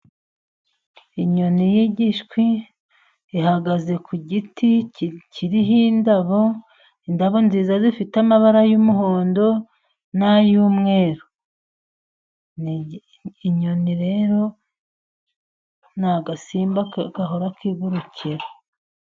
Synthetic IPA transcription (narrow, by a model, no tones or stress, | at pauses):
iɲonijiɟiʃkwi | iɦaɡaze̞kʰuɟiticcʰiɾiɦindaβo̞ | indaβo̞nziːzazifitamaβaɾajuːmuɦoːndo̞ | najuːmŋe̞ːɾo | n | iɲo̞niɾe̞ːɾo̞ | naɡasiːmbaɡaɦoɾakiɡuɾucʰiɾa